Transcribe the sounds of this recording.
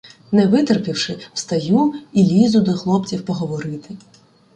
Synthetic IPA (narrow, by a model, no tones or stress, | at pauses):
nɛʋɪt̪erpʲiwʃɪw̥st̪ɐjuilʲizʊd̪ɔxlˠɔpt͡sʲiwpɔɦɔʋɔɾɪt̪ɪ